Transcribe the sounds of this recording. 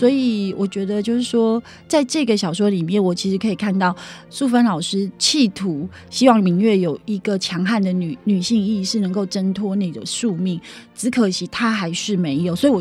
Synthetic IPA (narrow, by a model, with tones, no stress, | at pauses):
swɔ˧˥i˨˩wʔɔ˨˩t͡ɕɥɛ˧˦˥d̪ə˧t͡ɕjo˥˧ʊʂ̬ɻ̩˥˩ʂwɔ˥ | t͡sa˥˧ɪʈ͡ʂɤ˥˩ɡə˩ɕɑ˨˩ʊʂwɔ˧˥li˨˩mjɛ˥˨nwɔ˨˩t͡ɕʰi˧˥ʂɻ̩˧˥kʰɤ˧˥i˨˩kʰa˥˧nt̪ɑ˥˩ʊʂu˥˩fə˥nlɑ˨˩ʊʂɻ̩˥t͡ɕʰi˥˩t̪ʰu˨˦ | ɕi˥wɑ˥˩ŋmi˧˥ŋɥɛ˥˩jo˨˩ʊi˧˦˥ɡə˨t͡ɕʰjɑ˧˥ŋxa˥˩nd̪ə˩ny˨˩˦ny˨˩ɕi˥˧ŋi˥˧ʂɻ̩˥˩nə˧˥ŋko˥˩ʊʈ͡ʂə˥nt̪ʰwɔ˥ni˨˩d̪ə̰˩ʂu˥˧mi˥˩ŋt͡sɹ̩˧˥kʰɤ˨˩t͡ɕʰi˧˥t̪ʰa˦xa˧˥ɪʂɻ̩˥˩me˧˥ɪjo˨˩ʊswɔ˧˥i˨˩wɔ˨